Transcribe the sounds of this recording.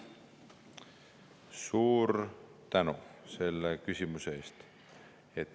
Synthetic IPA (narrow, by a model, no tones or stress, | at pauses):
suːɾt̪ænuse̞lːekysʲimuseeːst̪ | et̪ː